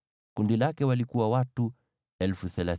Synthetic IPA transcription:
kundilakɛwalikuwawatu | ɛlfuθɛla

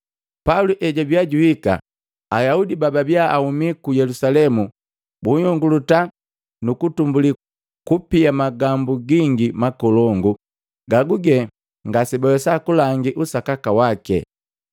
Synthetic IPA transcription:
pauluʔɛɟabjaɟuhika̰ː | jaudibababjaahumikujɛlusalɛmu | buɲɔŋɡuluta | nukutumbuli | kupiamaɡambuɡiŋɡimakɔlɔŋɡu | ɡaɡuɡɛ | ŋɡasibɔwɛsakulaŋɡiʔusakakawakɛ̰

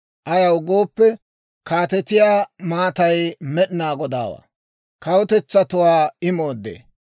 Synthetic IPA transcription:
ʔɐjɐwɡo̞ːpːɛ | kaːt̪ɛt̪ɪjaːmaːt̪ɐjmɛɗɪnaːɡɔd̪a̰ːwa̰ː | kɐwʊt̪ɛt͡sːɐt̪ʊwaːɪmoːd̪ːḛː

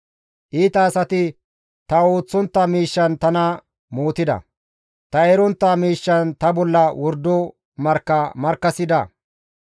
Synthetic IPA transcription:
ʔiːt̪ɐːsɐt̪ɪ | t̪ɐoːt͡sːɔnt̪ːɐmiːʃːɐnt̪ɐnɐ | moːt̪ɪd̪ɐ̰ | t̪ɐɛɾɔnt̪ːɐmiːʃːɐnt̪ɐbɔlːɐwɔɾd̪ɔ | mɐɾkːɐmɐɾkːɐsɪd̪ɐ̰

